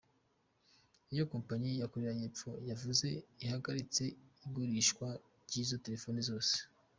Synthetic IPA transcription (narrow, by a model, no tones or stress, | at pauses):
ijo̞ko̞ːmpaɲijakoɾeɾajepp͡fo̞javuze̞ihaɡaɾit͡se̞iɡuɾiːʃkwa | ɾɟizo̞te̞ɾe̞fo̞nizo̞ːse̥